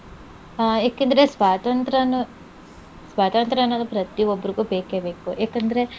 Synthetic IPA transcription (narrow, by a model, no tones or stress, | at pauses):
jaːkeːnd̪ɐɾe̞sʋaːt̪ɐnt̪ɾɐnu | sʋaːt̪ɐnt̪ɾɐnːɐːd̪upɾɐt̪iʋobːɐɾiɡuːbeːkebe̞ːkujaːkɐnd̪ɐɾe̞